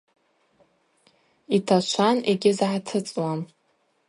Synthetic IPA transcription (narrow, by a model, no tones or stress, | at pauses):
itʰat͡ʃʷʰaneɡʲɪzʕatʰɨt͡sʼwam